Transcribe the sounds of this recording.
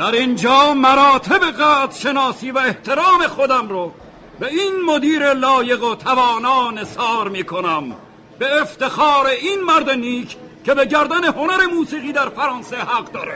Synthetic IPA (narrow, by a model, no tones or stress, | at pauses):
d̪̥æɾind͡ʒɒːmæɾɒːt̪ʰe̞be̞ɣæːt̪ɾ̥ʃe̞nɒːsiːvæeht̪ʰe̞ɾɒːme̞xod̪æmɾo | be̞inmod̪iːɾe̞lɒːje̞ɣot̪ʰævɒːnɒːnesɒːɾmiːkʰonæm | b̥e̞ːft̪e̞xɒːɾe̞inmæɾd̪eniːkʰ | kːe̞be̞ɟæɾd̪æne̞ho̞næɾe̞muːsiːɣiːd̪æɾfæɾɑːnsehæɡd̪ɒːɾḛ